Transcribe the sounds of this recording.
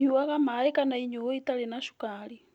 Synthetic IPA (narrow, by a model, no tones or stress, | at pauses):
ɲuwaɣamaikanaiɲuwɔitalinaʃu̥kali